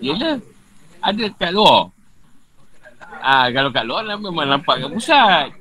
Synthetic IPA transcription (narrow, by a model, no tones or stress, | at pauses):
iələ | adəkaʔluɔ | akalokaʔluɔnamamanampaʔkabusat̪̚